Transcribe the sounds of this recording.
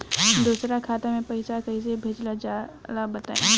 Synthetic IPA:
d̪uːsɾakʰaːt̪amẽpɐɪsakɐis̬ebʱeːd͡ʒlad͡ʒaːlabɐt̪a̰ːḛ̃

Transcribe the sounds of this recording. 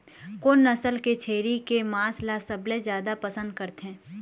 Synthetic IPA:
koːnːɐsəlket͡ʃʰeːɾikemaːslasəbled͡ʒjaːd̪apɐsə̃nd̪̚kəɾt̪ɦɛ̃ː

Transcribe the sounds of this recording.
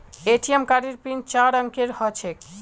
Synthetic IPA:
eʈiemkaɾiɾpɾint͡ɕaɾaŋkeɾhɔt͡ɕʰek

